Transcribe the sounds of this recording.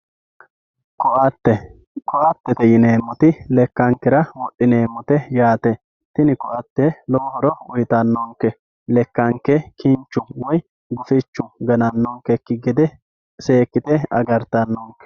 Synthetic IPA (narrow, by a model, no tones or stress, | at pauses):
kɔʔɐt̪ːɛ | kɔʔɐt̪ːɛt̪ɛjɪneːmːɔt̪ɪlɛkːɐŋkːɛɾɐwɔʔːɪne̞ːmːɔt̪ɛjaːt̪ɛ | t̪ɪnɪkɔʔɐt̪ːɛlɔwhɔɾɔʊjt̪ɐnːɔŋkɛ | lɛkːɐŋkːɛkʰɪnt͡ʃːʊwɔj | ɡʊfɪt͡ʃːʊɡɐnɐnːɔŋkɛkːɪɡɛd̪ɛ | se̞ːkːɪt̪ɛɐ̰ɡɐɾt̪ɐnːɔŋkɛ̥